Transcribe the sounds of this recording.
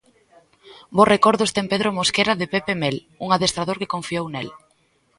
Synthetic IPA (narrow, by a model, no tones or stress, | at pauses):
borekɔɾðʊst̪empeðɾomoskeɾaðepepemel | uŋaðest̪ɾaðoɾkɪkoɱfiownḛl